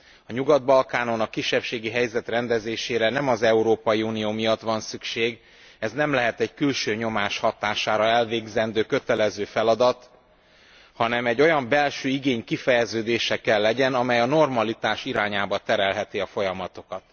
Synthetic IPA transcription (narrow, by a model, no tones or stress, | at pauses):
ɒɲuɡɒd̪̚bɒlkaːno̞nɒkːiʃːɛpʃeːɡiɦɛjzɛt̪rɛnd̪ɛzeːʃeːɾɛnɛmɒzɛuɾoːpɒjiuːnijoːmijɒt̪ʋɒnsykʃeːɡ | ɛznɛmlɛɦɛt̪ɛɟkylʃøːɲo̞maːʃhɒt̪aːʃaːɾɒɛlveːɡzɛnd̪øːkø̞t̪ɛlɛzøːfɛlɒd̪ɒt̪ | hɒnɛmɛɟːo̞jɒmbɛlʃøːiɡeːɲkifɛjɛzøːd̪eːʃɛkɛlːɛɟɛnɒmɛjɒno̞rmɒlit̪aːʃiɾaːɲaːbɒt̪ɛɾɛlɦɛt̪iɒfo̞jɒmɒt̪o̞kɒt̪